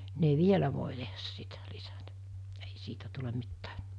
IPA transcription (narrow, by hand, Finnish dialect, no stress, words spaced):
ne ʋielæ ʋoˑe tehæs sitæ lisætæ̥ ei siːtæ tulem̆ mitːæ̥ː